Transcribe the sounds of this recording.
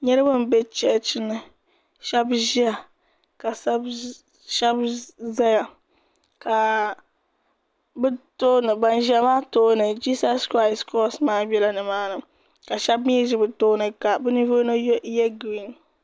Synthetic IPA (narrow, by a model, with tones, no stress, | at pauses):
ɲɛ˦ɾɨ˦bɨ˦m˨bɛ˦t͡ʃɛ˦t͡ʃɪ˦nːɨ˨ | ʃɛ˦bʒi˦a˨ | ka˨sa˦b | ʃɛ˦bza˦ja˨ | ka˨ | bɨ˦to˦nɨ˨ba˨n˦ʒi˦a˦maː˦toː˦nɨ˨d͡ʒiː˦sa˦skɾa˦ɪ˨skɔ˦smaː˦bɛ˦la˦nɨ˨maː˦nɨ˨ | ka˨ʃɛ˦bmi˦ʒɪ˦bɨ˨toː˦nɨ˨ka˨bɨ˦nɨ˦vo˦no˦jɛ˦ɡɾi˦˨n